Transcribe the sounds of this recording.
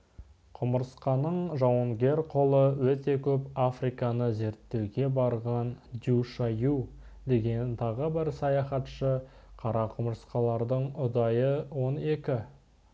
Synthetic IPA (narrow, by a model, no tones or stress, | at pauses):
qʰʊməɾsqɑnəɴʒɑwəŋɡʲe̞ɾqʰo̞lˠəwɵt̪e̞kʲʰɵpafrijkɑnəze̞ɾt̪ːe̞wɡʲe̞bɑɾʁɑnd̪ʲuʃɑjud̪e̞ɡʲe̞nt̪ʰɑʁəbɪɾsɑjɑχɑt̪ʃə | qʰɑɾɑqʰʊməɾsqɑlˠɑɾd̪əɴʊd̪ɑjəwo̞ne̞kʲɪ